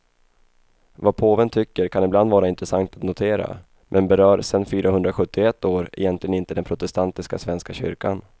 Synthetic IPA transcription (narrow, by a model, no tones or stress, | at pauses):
vapʰoːvənt̪ʰʏkːəɾkʰanɪbland̪vɑːɾaɪnt̪ɾɛsaŋt̪at̪nʊt̪ʰeːɾa̰ | mʔɛnbɛɾœːɾsɛnːfyːɾʔaɦɵnd̪ɾaɧɵt̪ʰːɪɛt̪ːoːɾɛ̰jɛnt̪lɪɡənɪnt̪əd̪ɛnpʰɾʊt̪ɛst̪ant̪ɪskasvɛnskaɕʏ̰ɾkan